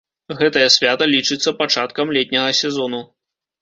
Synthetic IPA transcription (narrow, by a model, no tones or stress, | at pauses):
ɣɛt̪ɐjɐsʲvʲat̪ɐlʲit͡ʂɨt̪sːɐpat͡ʂat̪kɐmlʲɛt̪ʲnʲɐɣɐsʲɛzɔnu